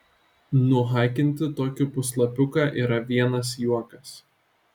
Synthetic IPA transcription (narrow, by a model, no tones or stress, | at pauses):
nʊɦɑˑɪkʲɪnʲt̪ʲɪt̪oːkʲɪpʊslˠɐpʲʊkɑːʔiːɾɐʋʲiɛnɐs̬juɔkɐs